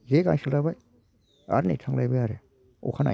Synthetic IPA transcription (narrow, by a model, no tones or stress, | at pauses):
zeɡaŋsɯlajbaj | a̰ɾnḭjtʰaŋlajbajaɾe | ɔ̰kʰana̰